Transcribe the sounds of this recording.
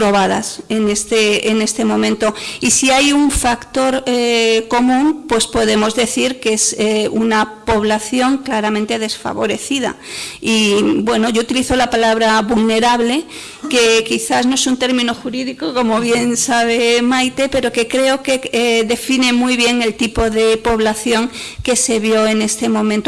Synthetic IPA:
pɾo̞βaða̰se̞nest̪eene̞st̪e̞mõ̞mẽnt̪o̞isiajuɱfakt̪o̞ɾeko̞mũmpwe̞spo̞ðe̞mo̞zðe̞θiɾkeseunapo̞β̞laθjo̞ŋklaɾamẽnt̪e̞ð̞e̞sfa̰βo̞̰ɾe̞θiða̰ibwe̞no̞ʝout̪iliθo̞lapalaβɾaβulne̞ɾaβle̞ | ke̞kiθasno̞e̞sunt̪e̞ɾmĩno̞xuɾiðikoko̞mo̞βje̞nsaβ̞e̞majt̪e̞pe̞ɾo̞ke̞kɾe̞o̞ke̞ðe̞fine̞mujβje̞ŋe̞lt̪ipo̞ðe̞po̞βlaθjo̞ŋke̞se̞βjo̞e̞ne̞st̪e̞mõ̞mẽnt̪o

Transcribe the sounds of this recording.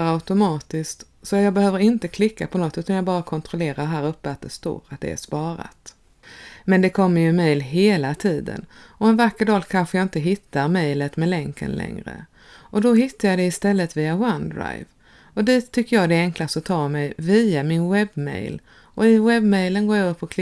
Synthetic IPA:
aʊt̪ʊmɑːt̪ɪskt̪ | sɔjɑːɡbɛhøːvəɾɪnt̪əkʰlɪkːapʰɔnɔt̪ːʉ̟ːt̪anjɑːɡbɑːɾakʰɔnt̪ʰɾʊleːɾaɾɦæːɾɵpːəat̪̚d̪ɛst̪o̰ːɾat̪̚d̪ɛ̰æ̰ʂpɑːɾa̰t̪ | mɛnd̪ɛkʰɔmːəjɵmɛjlɦeːlat̪ʰiːd̪ə̰nɔɛnvakːəɖ̪ɑːlkʰanɧəjɑɪnt̪əɦɪt̪ʰːaɾmɛjlət̪mɛlɛŋkə̰nlʔɛ̰ŋɾə̰ | ʔɔd̪ɔɦɪt̪ːajɑd̪ɛɪst̪ɛlːət̪viːawand̪ɾa̰jv | ɔd̪iːt̪ʰːʏkːəjɑːɡd̪ɛɛŋklast̪ɔt̪ʰɑːmɛjviːamɪnwɛbmɛ̰jl | ʔɔɪwɛbmɛjlənɡoːɾjaɡɵpʰːɔkʰlɪ

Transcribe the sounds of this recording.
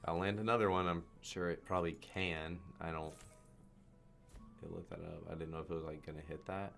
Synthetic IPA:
ʔa̰ɪlæ̃ndɨnʌðə˞wʌ̃nãɪ̃mʃʊɹɨt̚pʰɹ̥ɑbəblit̚kʰɨ̃na̰ɪɾõʊ̃nt | ɨ̰tʔˡlɪ̰v̚ðɨ̰ɾʌ̰pa̰ɪdɪdⁿn̩noʊɨfɨt̚wʌzlaɪk̚ɡ̥ʌnɨɦɪt̪̚ðæt̚

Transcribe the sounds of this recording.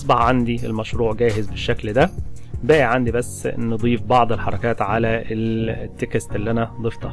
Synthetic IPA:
ʔɑsˤbɑħʕand̪ielmæʃɾuːʕɡæːɦɪzbeʃːækld̪æbæːʔiʕand̪ibæsːnɨd̪ˤiːfbɑʕd̪ˤelħɑɾˤɑkæːt̪ʕalæelt̪ːekæst̪elːʔænæd̪ˤeft̪ˤɑ

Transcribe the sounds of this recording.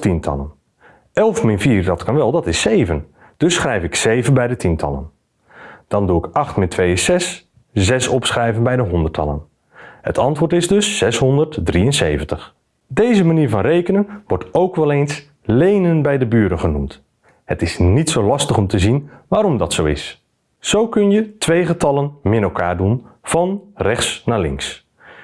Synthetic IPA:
tintʰɑ̰lˠən | ʔɛlˠfmɪnfiːrdɑtkɑnʋɛlˠdɑtɪsejvən | d̥ɵsχrɛjfɪksejvənbɛjdətʰintʰɑ̰lˠə̰n | d̥ɑnduɪkɑχtmɪntʰʋejsɛs | zɛsɔpsχrɛjvənbɛjdəɦɔndərtʰɑ̰lˠə̰n | hətʰɑntʋʊːɹtɪzdɵsːɛshɔndərtdriənsejvəntəχ | dejzəmaniːɹvɑnrejkənənʋɔɹtowkʋɛlˠejns | lejnənbɛjdəbyːɾənχənumt | hətɪsnitsowlɑstəχɔmtəzinʋaːɾɔmdɑtsowɪ̰s | sowkɵnjətʋejχətɑlənmɪnɛlˠkʰa̰ːɹdunv̥ɑnrɛχtsnaːlɪ̰ŋs

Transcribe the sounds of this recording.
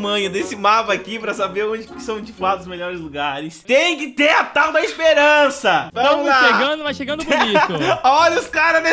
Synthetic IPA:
mɐ̃jʊd̪esɪmapɐːkipɾɐsabeɾõd͡ʒɪkɪ̥sɐ̃w̃d͡ʒɪfuad̪ʊzmeʎɔɾɪzluɡaɾɪst̪ẽj̃kɪt̪eɾat̪awd̪ɐispeɾɐ̃sɐvɐɐ̃mmʊaʃeɡɐ̃d̪ʊmaʃeɡɐ̃nd̪ʊ | ɔʎɐʊskaɾɐd̪e

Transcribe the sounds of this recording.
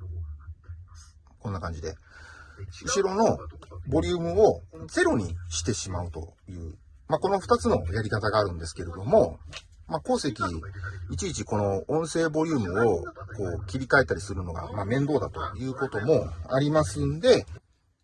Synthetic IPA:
kõ̞nːakãɲ̟d͡ʑid̪e̞̰ | ɯ̟ɕiɾo̞no̞bo̞ɾʲɯ̟ːmɯ̟o̞d͡ze̞ɾo̞ɲ̟iɕi̥t̪e̞ɕimaɯ̟t̪o̞̰jɯ̟ː | mako̞no̞ɸɯ̟t̪at͡sɨno̞̰jaɾʲikat̪aɡaːɾɯ̟̃nd̪e̞sɨ̥ke̞ɾe̞d̪o̞mo̞ | mako̞ːse̞kʲiːt͡ɕiːt͡ɕiko̞no̞õ̞ɰ̃se̞ːbo̞ɾʲɯ̟ːmɯ̟o̞ko̞ːkʲibʲikae̞t̪ːaɾʲisɨɾɯ̟no̞ɡa̰maːmẽ̞nd̪o̞ːd̪a̰t̪o̞̰jɯ̟ːko̞t̪o̞mo̞aɾʲimasɨ̃nd̪e̞

